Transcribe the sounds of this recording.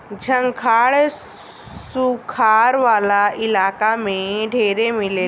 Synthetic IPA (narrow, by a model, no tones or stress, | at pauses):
d͡ʑʱəŋkʰaɭ | sukʰaɾʋalailakamẽɖʱeɾemile